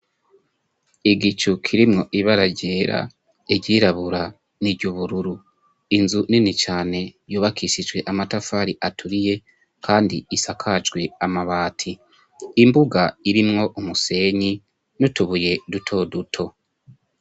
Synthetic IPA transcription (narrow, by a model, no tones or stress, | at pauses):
iɡit͡ʃukʰiɾimŋo̞ʔiβaɾaɟe̞ːɾa̰ | eɟɟiɾaβuɾa | niɟuβuɾuɾu | inzuninit͡ʃaːne̞juːβakʰisid͡ʒɡwe̞ʔamatafaːɾiʔatʰuɾije̞ | kʰaːndiisakʰad͡ʒɡwe̞amaβaːtʰiː | mbuɡaiɾimŋo̞ʔumuse̞ːɲi | nutuβuje̞dutʰo̞ːdutʰo̞